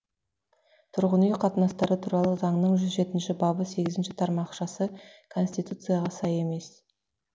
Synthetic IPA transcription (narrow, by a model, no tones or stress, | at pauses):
t̪ʰʊɾʁənijqʰɑt̪ənɑst̪ɑɾət̪ʰuɾɑlˠəzɑɴnəɴʒʏzʒe̞t̪ɪnʃɪbɑbəse̞ɡʲɪzɪnʃɪt̪ʰɑɾmɑqʃɑsəkʰo̞nsʲt̪ijt̪ut̪sɨjɑʁɑsɑje̞me̞s